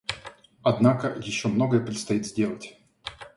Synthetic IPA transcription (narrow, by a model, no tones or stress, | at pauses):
ɐd̪nakəjɪɕːomnoɡəjəpɾʲɪt̪st̪ɐit̪zʲdʲe̞lˠətʲ